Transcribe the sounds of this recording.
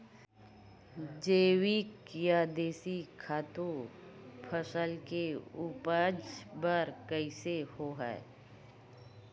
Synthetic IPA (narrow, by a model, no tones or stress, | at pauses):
d͡ʒeːwikjad̪eːsikʰaːt̪u | pʰəsəlkeuːpəd͡ʒbəɾkəɪsehoːɦɛ̰